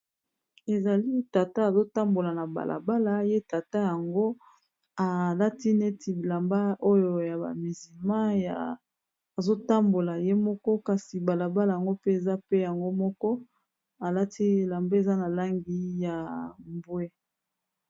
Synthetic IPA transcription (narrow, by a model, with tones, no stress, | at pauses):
e˨za˨li˦ta˨ta˦a˨zo˦ta˦mbo˨la˨na˨ba̰˨lʔa̰˨ba˦la˦je˦ta˨ta˦ja˨ŋɡo˦ | a˨la˦ti˦ne˦tʰi˨la˨mba˦ʔo˦jo˨ja˨ba̰˨mi˨zi˨lmã˦ja˨ | a˨zo˦ta˦mbo˨la˨je˦mɔ˦kɔ˦ka˨si˨ba˨la˨ba˦la˨ja˨ŋɡo˦pe˦e˨za˦pe˦ja˨ŋɡo˦mɔ˦kɔ˦ | a˨la˦tʰi˦˨la˨mbe˦e˨za˦na˨la˦ŋɡi˦ja˨mbwe˦